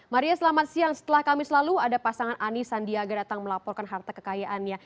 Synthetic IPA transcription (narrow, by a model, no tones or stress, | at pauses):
maɾiasəlamat̪siaŋsə̥t̪əlahkamɪslaluadapasaŋanʔanisandiaɡadat̪aŋməlapɔrkanɦart̪akə̥kajaʔanɲa